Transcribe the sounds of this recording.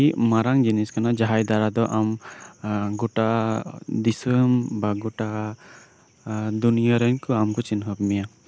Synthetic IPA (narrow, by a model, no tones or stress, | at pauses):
imaɾaŋd͡ʒiniskanad͡ʒaɦajd̪aɾad̪ɔʔam | ɡuʈa | d̪isəmbaɡuʈa | d̪unijaɾənkʰɯamkɔt͡ʃinɦɔp̚mija